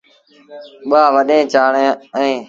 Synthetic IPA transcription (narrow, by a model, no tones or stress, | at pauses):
ɓaːʋəɗẽːt͡ʃaːɳ̃ːɛ̃ː